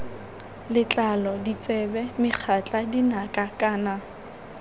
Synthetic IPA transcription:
lɪt͡ɬʼalɔdit͡sʼɛbɛmɪk͡xʰat͡ɬʼadinakʼakʼaːna

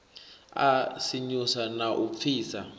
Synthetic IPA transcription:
a̰siɲusanaʔup̪fiːsa

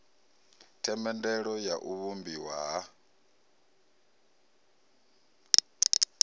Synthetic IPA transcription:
tʰɛmɛndɛɺɔjaʔuβumbiwaɦa

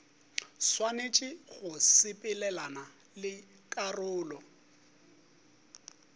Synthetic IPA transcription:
swanet͡ʃʼɪɣʊsɪpʼɪlɛlana | lɪ | kʼarʊːlɔ

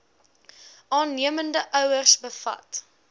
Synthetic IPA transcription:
ʔɑːnːiəməndəʔœwərsbəfɐ̰t

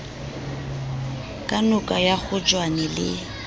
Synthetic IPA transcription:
kʼanʊkʼajak͡xʊt͡ʃʼwanɛlɪ̰

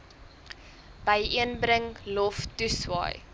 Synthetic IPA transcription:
b̥əjʔiənbɾəŋlɔftuswɑ̰ːj

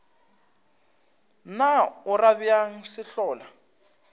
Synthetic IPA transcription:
naʊraβiaŋ̩sɪɬɔːla

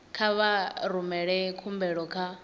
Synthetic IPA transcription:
kʰaβaɾumɛɺɛkʰumbɛɺɔkʰa

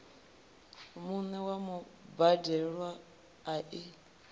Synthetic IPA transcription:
munɛwamɔbadɛɺwaː | ʔi

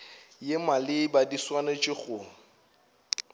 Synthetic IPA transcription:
jemalɪbadiswanat͡ʃʼɪɣʊ

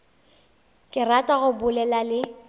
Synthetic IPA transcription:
kʼɪratʼaɣʊbʊlɛlalɪ

